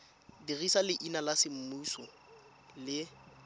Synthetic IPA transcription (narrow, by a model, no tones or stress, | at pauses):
dirisalɪʔinalasɪm̩musɔ | lɪ